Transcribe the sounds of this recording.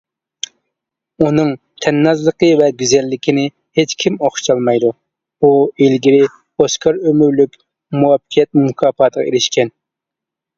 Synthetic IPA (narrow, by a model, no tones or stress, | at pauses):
unɨŋ | t̪ʰɛnːɑzlˠəqəvɛɡʲyzɛlːɪkʲinɪ | het͡ʃkʲʰimoχʃt͡ʃɑlˠmɑjd̪u | uilɡʲiɾɪ | boskʰɑɾømyɾlykʲ | muwɑpːqʰijɛt̪̚mmukʰɑːpɑːt̪ʰəʁɑ̰ḛɾɪʃkʲɛn